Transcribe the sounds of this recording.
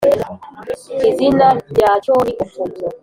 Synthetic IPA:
kizinajat͡ʃɔnikufutɔ

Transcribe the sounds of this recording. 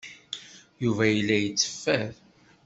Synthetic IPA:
juvæjəlːæjət͡sːə̥fːæð

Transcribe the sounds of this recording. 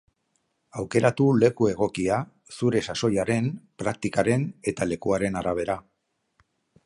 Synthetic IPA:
awke̞ɾat̪ule̞kue̞ɣ̞o̞kia | suɾe̞saso̞jaɾe̞npɾak̚t̪ikaɾe̞ne̞t̪ale̞kuaɾe̞naɾaβ̞e̞ɾa

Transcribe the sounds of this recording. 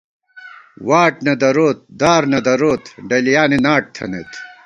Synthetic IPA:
waːʈnɐd̪ɐɾoːt̪̚d̪aːɾnɐd̪ɐɾoːt̪ɖɐlijaːninaːʈ̚t̪ʰɐ̰nḛt̪

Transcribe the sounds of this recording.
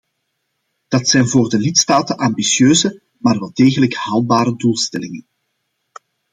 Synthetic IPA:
d̥ɑtsɛjnvoːrdəlɪtstaːtənʔaːmbisjøːzə | maːrʋɛlˠdeːɣələkhaːl̚ˠbaːɾəduːlˠstɛ̰lɪŋən

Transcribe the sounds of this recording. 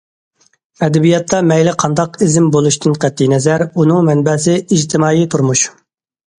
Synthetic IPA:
ɛd̪ɛbijɑt̪ʰːɑmɛjlɪqʰɑnd̪ɑqizɪmbolˠuʃt̪ɨnqæt̪ːinɛzæɾunɨŋmɛnbɛs̬ɪiʒt̪ʰɪmɑːjit̪ʰuɾmuʃ

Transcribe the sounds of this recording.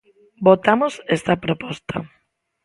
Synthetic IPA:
bot̪amosest̪ɐpɾopɔst̪ɐ̰

